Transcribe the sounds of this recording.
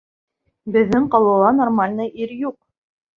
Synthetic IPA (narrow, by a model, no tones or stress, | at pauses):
bɘ̆ðːɘŋqɑlˠɤ̆lˠɑnormalʲnɤʔiɾjuq̚